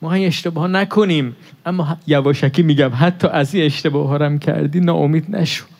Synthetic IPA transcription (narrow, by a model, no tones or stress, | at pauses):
mɔːhæmieʃt̪ebɒːhɔnækʰoniːmʔæmːɒːjævɒːʃækʰiːmiːɟæmɦæt̪ʰːɒːʔæziːne̞ʃt̪ebɒːɦɒːɾæmcʰæ̰ɾd̪iːnɒːʔomiːd̪næ̰ʃo̥d̪̥